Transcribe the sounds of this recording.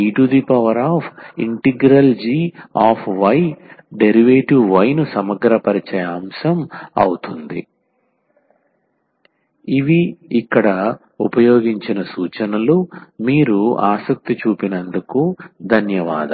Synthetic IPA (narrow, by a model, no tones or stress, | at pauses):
iːʈud̪ipɐʋɐɾaːpʰiɳʈiɡɾɐld͡ʒiːaːpʰʋɐjɖeɾiʋeːʈiʋʋɐjnusɐmɐɡɾɐpɐɾit͡ʃɐjaːmsɐmɐ̰wut̪und̪ḭ | iʋiːkːɐɽɐ | upɐjoːɡiɲt͡ʃinɐsuːt͡ʃɐnɐlumiːɾua̰ːsɐk̚t̪it͡ʃuːpinɐnd̪ukud̪ʱɐnjɐʋa̰ːd̪ɐ